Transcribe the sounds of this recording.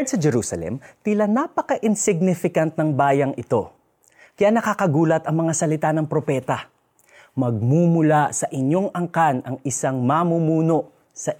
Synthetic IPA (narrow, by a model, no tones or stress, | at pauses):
d̪sɐd͡ʒɛɾuːsɐ̰lɛ̰mt̪ɪlanapɐkɐʔɪnsɪɡ̚nɪfɪkɐnt̪̚nɐŋbaːjɐŋʔɪt̪o̞ | kɐjanɐkakɐɡuːlɐt̪ɐŋmɐŋasɐlɪt̪anɐŋpɾopɛːt̪ɐ | mɐɡ̚mumʊlasɐʔɪɲjo̞ŋɐŋkanɐŋɪsaŋmamumuːno̞ʔ | sɐ